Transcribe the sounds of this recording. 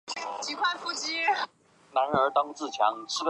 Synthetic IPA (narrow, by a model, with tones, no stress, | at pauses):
t͡ɕi˧˥kʰwa˥˧nfu˥˧t͡ɕi˥ | na˧˥nə˞˧˥t̪ɑ˥ŋt͡sɹ̩˥˨˩t͡ɕʰɥɑ˧˥ŋʂɻ̩˥f